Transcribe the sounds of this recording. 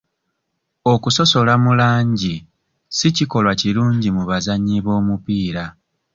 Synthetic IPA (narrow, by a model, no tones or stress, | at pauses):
o̞kuso̞so̞lamulaːɲɟi | siciko̞lwaciluːɲɟimuβazaɲiβo̞ːmupiːɾa